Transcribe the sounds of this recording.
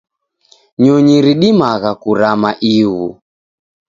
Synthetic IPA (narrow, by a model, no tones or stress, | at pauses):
ɲɔɲiɾiɗimaɣakuɾamaʔiɣu